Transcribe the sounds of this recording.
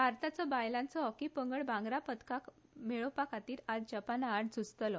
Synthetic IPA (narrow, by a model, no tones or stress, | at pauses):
baɾt̪at͡sɔbajlãnt͡sɔɦɔkipəŋɡəɭbãŋɡɾapət̪kakmeɭəpakat̪iːɾad͡zd͡ʑəpanaːɽd͡zust̪əlɔ